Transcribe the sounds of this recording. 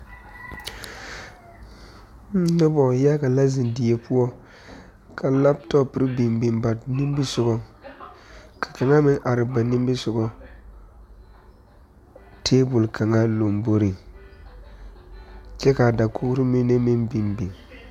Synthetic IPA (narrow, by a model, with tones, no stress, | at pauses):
nɔ˦bɔ˨ja˦ɡa˨la˦zɪ˨ndi˨je˦pu˦ɔ˦ | kʰa˨la˦btɔ˦pːɪ˨ɾɪ˦bi˨mbi˨mba˨nɪ˦m˦bi˦sʊ˨ɡɔ˦ | kʰḁ˨ka˨ŋa˦mɪ˦ŋʔa˨ɾɪ˨ba˨nɪ˦mbi˦sʊ˨ɡɔ˦ | tʰeː˦bʊ˨lkʰa˨ŋa˦lo˨mbo˦ɾi˨ | t͡ʃɛ˦ka˨da˨kʰʊ˦ɾɪ˦mɪ˦ne˦mɪ˦ŋbi˨mbi˨ŋ